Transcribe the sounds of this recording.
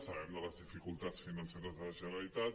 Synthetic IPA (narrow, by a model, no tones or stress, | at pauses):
saɛmd̪alazðifikult̪at̪sfinanseɾazðəazeɾalit̪at̪